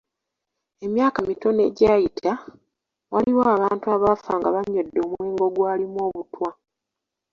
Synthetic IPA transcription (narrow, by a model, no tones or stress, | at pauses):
e̞mjaːkamitone̞̰ɟaːjitʰa | waliwaːβaːntuaβafaːŋɡaβaɲːodːo̞ːmweːŋɡo̞ɡwaːlimwo̞ːβutwa